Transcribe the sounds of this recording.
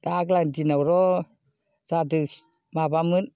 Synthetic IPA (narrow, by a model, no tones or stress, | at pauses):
daklandinawɾɔ | zadɯ | mabamɯn